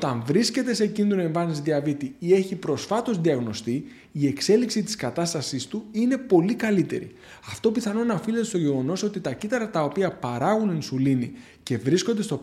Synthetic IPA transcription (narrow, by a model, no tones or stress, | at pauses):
ot̪ɐɱvɾisce̞t̪e̞se̞cind̪ɾoe̞ɱvɐnizðiɐvit̪iie̞çipɾo̞sfɐt̪o̞zðiɐɣno̞st̪i | ie̞kse̞liksit̪i̥skɐt̪ɐst̪ɐsist̪uine̞po̞likɐlit̪e̞̰ɾḭ | ɐft̪o̞piθɐno̞nɐfilet̪est̪o̞ʝe̞ɣo̞no̞so̞t̪it̪ɐcit̪ɐɾɐt̪ɐo̞piɐpɐɾɐɣuninsulini | ce̞vɾisko̞nd̪et̪o̞